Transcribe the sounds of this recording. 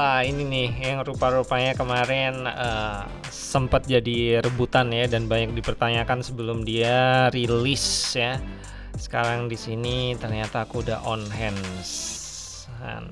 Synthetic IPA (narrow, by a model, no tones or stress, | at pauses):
aininɪhjaŋrupaɾupaɲakəmaɾɛnə | səmpət̪̚d͡ʒadiɾəbut̪anjadanbaɲak̚dipərt̪aɲakansəbəlʊmdiaɾilisja | sə̥kaɾaŋdisinit̪ərɲat̪aːkuːdaɦʔɔnɦɛns | ka̰n